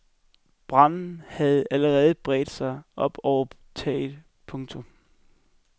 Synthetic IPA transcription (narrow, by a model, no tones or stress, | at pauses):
b̥ʁɑ̈n̰n̩hæð̞̩ˠæləʁɛːð̞̩ˠəb̥ʁɛ̰ːd̥sɑ̈ɪʔɒ̽b̥ɒʊɐ | t͡sʰɛ̰ːðˠ | pʰɔ̽ŋt͡sʰɔm